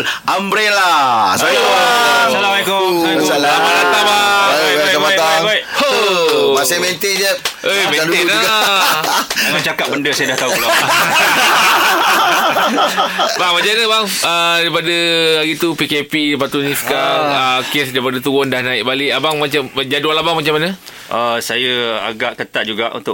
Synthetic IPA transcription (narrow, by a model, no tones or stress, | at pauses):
ambɾelasaaasalaaikɔ | abalat̪abaajbabaiaabaiʔ | asamẽnt̪ed͡ʒəʔəmẽela | mat͡ʃakat̪̚bəndəsajadaht̪aula | baŋmad͡ʒanəbaŋədaipadəlaɡit̪upikepidəpat̪unĩsə̥kaəkesdaipadət̪uʊndahnãɪʔbaleʔabaŋmat͡ʃamd͡ʒadualabaŋmat͡ʃamanə | ʔəsajəa̰ɡaʔkət̪aʔ̚d͡ʒuɡaʔṵnt̪ʊ